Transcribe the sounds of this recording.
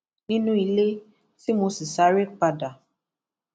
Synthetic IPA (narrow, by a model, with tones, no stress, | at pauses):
nĩ˦nũ˦i˧le˦ | si˦mõ˧si˨sa˨˦ɾe˦k͡pa˧da˨